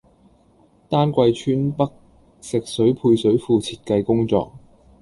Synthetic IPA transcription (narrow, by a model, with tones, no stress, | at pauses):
t̪aː˥nkʷɐ˧jt͡ʃʰyː˥npɐ˥k̚ | sɪ˨k̚sɵ˨˥ɥpʰuː˧jsɵ˨˥ɥfuː˧t͡sʰiː˧t̚kɐ˧jkʊ˥ŋt͡sɔ̰ː˧k̚